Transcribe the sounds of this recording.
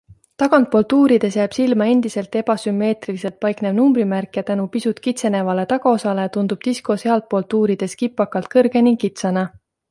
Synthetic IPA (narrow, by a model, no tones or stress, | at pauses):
t̪ɑɡ̥ɑnt̪̚po̞lt̪uːɾid̪̥e̞sjæːb̥silmɑe̞nd̪̥ise̞lt̪ˑe̞b̥ɑsymːe̞ːt̪rilise̞lt̪̚pɑjknevnumbɾimærkjɑt̪ænupisut̪kit̪se̞ne̞vɑle̞t̪ɑɡɑosɑle̞t̪und̪̥ub̥̚t̪isko̞seɑlt̪̚po̞lt̪uːɾid̪̥e̞skipːˑɑkːˑɑlt̪̚kɤrɡ̥e̞niŋɡkit̪sɑnɑ